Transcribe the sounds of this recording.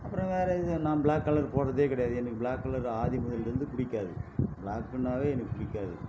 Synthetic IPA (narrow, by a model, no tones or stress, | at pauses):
ɐpːɯɾõʋeːɾɐɪðɯnãːbɪɭaːkːɐlɐɾpoːɾɐðeːkɪɽɐjaːðɯɛnɐkːɯbɪɭaːkːɐlɐɾaːðimʊðɐlɾɯnd̪ɯpʊɽɪkːaːðɯbɪɭaːkːɯnːaːʋeːɛnɐkːɯpʊɽɪkːaːðɯ̰